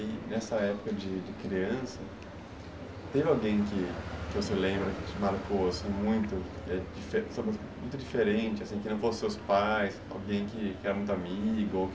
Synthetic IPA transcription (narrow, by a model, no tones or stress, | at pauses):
ɪnɛsɐɛpʊ̥kɐd͡ʒɪd͡ʒɪkɾiɐ̃sɐ | t̪ẽvɪawɡẽj̃kɪkɪvoselẽmbɾɐkɪt͡ʃɪmaɾkoosĩmũj̃t̪ʊ | ɛd͡ʒifesobosmũj̃t̪ʊd͡ʒifeɾẽt͡ʃɪasĩkɪnɐ̃w̃fosɪsewspajs | a̰wɡẽj̃kɪkɪɛɾɐmũj̃t̪amiɡʊowk